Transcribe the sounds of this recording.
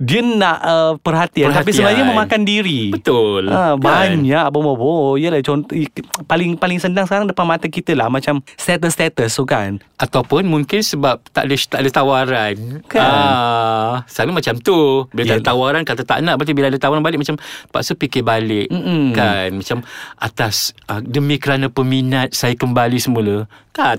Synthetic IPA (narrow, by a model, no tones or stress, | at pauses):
diənaʔəpərɦat̪iant̪ap̬isəmaɲaməmãkandiɾibət̪ʊlabaɲaʔbomobojəlat͡ʃɔnt̪ɔpalɪŋpalɪŋsəndaŋsəkaɾaŋdəpanmat̪əkit̪əlahmat͡ʃamst̪ɛt̪̬əst̪ɛt̪əst̪ukanʔat̪awpʊnmuŋkɪnsəbap̚t̪a̰ʔdət̪aʔdət̪awaɾankaa | sabimat͡ʃamt̪ubilaadat̪awaɾankat̪ət̪a̰ʔnãʔbat̪ibilaadət̪awaɾanbalɪʔ̚mat͡ʃampa̰ʔsupikɪbalɪʔkːanmat͡ʃamʔat̪asʔədəmĩkəɾanapəminat̪̚sajakəmbalisəmulək̪a